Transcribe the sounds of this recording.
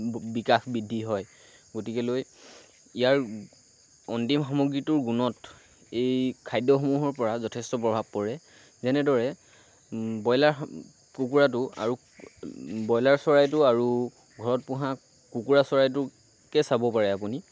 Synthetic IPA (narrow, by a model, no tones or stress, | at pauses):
bikaxbidʱːiɦɔj | ɡotikɛloj | ijaɹ | ɔntimxamɔɡɹitʊɹɡunɔt | ejkʰajdːɔxɔmuɦɔɹpɔɹazɔtʰɛstɔpɹɔbʱab̚kɔɹɛ | zɛnɛdɔɹɛ | bɔjlaɹ | kukuɹat̬ʊa̰ɹu | bɔjlaɹsɔɹajtʊaɹu | ɡʱɔɹɔt̚pʊ̃ɦã | kukuɹasɔɹajtʊ | kɛsabɔpaɹɛapuni